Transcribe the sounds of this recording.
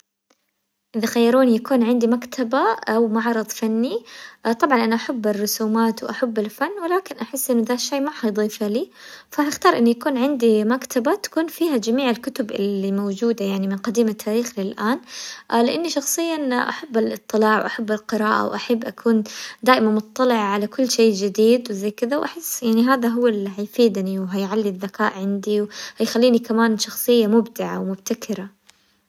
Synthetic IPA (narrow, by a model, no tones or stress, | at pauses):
ʔɪðaxajːɑɾˤuːnjakuːnʕɪnd̪imakt̪ʰabaawmaʕɑɾɨd̪ˤfanːit̪ˤɑbʕɑnʔanaʔaħabːɪrːʊsuːmaːt̪wʔaħabːɪlfanːwɪlaːkɪnʔaħɪsːʔɪnːʊðaːʃːajːmaħɑjd̪ˤiːfaliːfahɪxt̪ɑːɾˤʔɪnːujakuːnʕɪnd̪imakt̪ʰabat̪ḁkuːnfiːɦad͡ʒamiːʕɪlkʊt̪ʊbɪ̰limowd͡ʒuːd̪ajaʕnimɪnqɑd̪iːmat̪ʰːaːɾiːxlɪlʔaːnʔlɪʔanːiʃɑxsˤɨjːanʔa̰ħabːalʔɨt̪ˤːɨlɑːʕwʔaħabːalqɪɾaːʔa̰wʔaħabːʔakʰuːnd̪aːʔɪmanmʊt̪ˤːɑlɪʕaʕalakʊlːʃeːd͡ʒɪd̪iːd̪wɪzajːkɪðawʔaħɪsːjaʕniɦaːðaɦʊwːaliɦajfiːd̪niwɦajʕalːiðːakaːʔʕɪnd̪iwhajxalːiːnikamaːnʃɑxsˤɨjːamʊbd̪ɪʕa̰wmʊbt̪akʰɪɾa